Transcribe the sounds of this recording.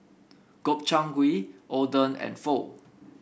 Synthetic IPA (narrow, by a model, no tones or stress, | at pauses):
ɡ̥op̚t͡ʃãŋɡwiʔodə̃nɛ̰̃nfo